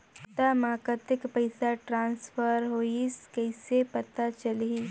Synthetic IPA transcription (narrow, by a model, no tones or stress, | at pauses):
t̪amaːkət̪ɪkpɐɪsaʈɾãːnsfəɾɦoːiskɛɪsepɐt̪at͡ʃɐlii